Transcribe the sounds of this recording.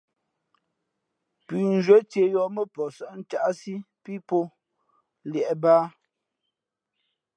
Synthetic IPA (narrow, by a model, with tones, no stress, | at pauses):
pi˨n˦d͡ʒwə˦te˨jɔ˨mə˦pɔ˨sə˦ʔn̩˦t͡ʃa˦ʔsi˦ | pi˦po˦ | ljɛ˨ʔbaː˦